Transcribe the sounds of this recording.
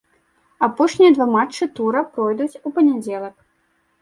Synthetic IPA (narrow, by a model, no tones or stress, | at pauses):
apɔʂnʲijɐd̪vamat͡ʂːɨt̪uɾɐpɾɔjd̪ut͡sʲupɐnʲad͡zʲɛlˠɐk